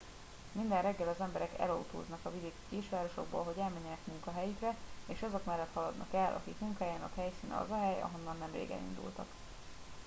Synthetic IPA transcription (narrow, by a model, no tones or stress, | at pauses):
mind̪ɛnrɛɡːɛlɒzɛmbɛɾɛkɛ̰lɒut̪o̰ːznɒkɒvid̪ikkeːʃyaːɾoʃo̞̰ɡ̚bo̰ːlɦoɟɛlmɛɲːɛnɛkmuŋkɒɦɛjikrɛeːʃɒzo̞kmɛlːɛt̪hɒlɒd̪nɒ̰kɛlʔɒ̰kikmuŋkaːjaːnɒ̰khɛjsiːnɒ̰vɒɦɛjɒ̰ɦo̞nːɒnːɛmrḛːɡɛ̰lḭnd̪ṵlt̪ɒk